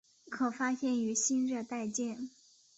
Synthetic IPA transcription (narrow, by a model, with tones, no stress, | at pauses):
kʰɤ˨˩fa˥ɕjɛ˥˩ny˧˥ɕi˥nɻə˥˧t̪a˥˧ɪt͡ɕjɛ˥˩n